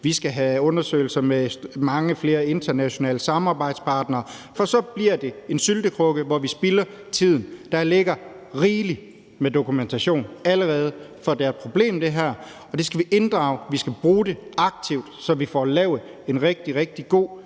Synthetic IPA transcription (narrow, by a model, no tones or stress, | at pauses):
ʋisɡ̥æɦæɔ̽nɐsø̰ɪl̩sɐmemɑ̈ŋəfle̝ːɐe̝nd̥ʰɐnæɕo̝nɛ̰ːləsɑ̈mɑ̈ːb̥ɑ̈ɪd̥spʰɑ̈ːd̥nɐːfɒ̽sɒ̽b̥liɐ̰d̥e̝e̝nsyld̥əkʰʁɔ̽ɡ̥əʋɒʋisb̥ilɐ | t͡sʰið̞̰ˠn̩d̥ɑ̈le̝ɡ̥ɐ | ʁiːli | med̥o̝kument͡sʰæɕo̝̰ːnæləʁɛːð̞̩ˠfɒ̽d̥ææɐpʰʁo̝b̥le̝̰ːmd̥e̝ɦæɐ̰ | ɒ̽d̥e̝sɡ̥æʋiʔe̝nd̥ʁɑ̰̈ːʊʋisɡ̥æb̥ʁuːd̥e̝ɑ̈ɡ̥̚t͡sʰiʊd̥sɒ̽ʋifɒ̰lɛːʊe̝nʁɛɡ̥̚d̥iʁɛɡ̥̚d̥iɡ̥o̝̰ː